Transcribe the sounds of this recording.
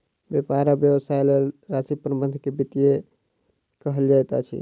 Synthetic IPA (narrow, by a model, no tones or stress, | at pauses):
bjepaɾabjəbəsaelelɾasipɾəbənd̪ʱkebit̪ije | kəɦəld͡ʒajt̪a̰t͡ʃʰḭ